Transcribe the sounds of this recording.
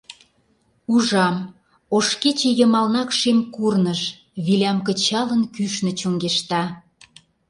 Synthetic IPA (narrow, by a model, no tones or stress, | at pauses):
uʒɑm | oʃket͡ɕĕjəmɑlnɑkʃemkurnəʃ | βilʲɑmkə̆t͡ɕɑlənkyʃnə̆t͡ɕoŋɡeʃt̪ɑ